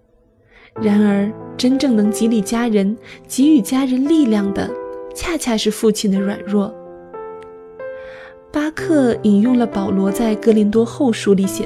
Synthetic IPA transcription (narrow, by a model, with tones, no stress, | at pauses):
ɻa˧˥nə˞˧˥ʈ͡ʂə˥nʈ͡ʂɤ˥˩ŋnɤ˧˥ŋt͡ɕi˧˥li˨˩t͡ɕja˥ɻə˧˥nt͡ɕi˧˥y˨˩t͡ɕja˥ɻə˧˥nli˥˧ljɑ˥˩ŋd̪ə̰˩t͡ɕʰja˥˧t͡ɕʰja˥˧ʂɻ̩˥˧fu˥˩t͡ɕʰi˥˩nd̪ə˦ɻwa̰˨˩nɻwɔ˥˩ | pa˥kʰɤ˥˩i˨˩njʊ˥˩ŋlə˩pɑ˨˩ʊlwɔ˧˥t͡sa˥˩ɪkɤ˥li˧˥nt̪wɔ˥xo˥˩ʊʂu˥˩li˧˩ɕjɛ̰˨˩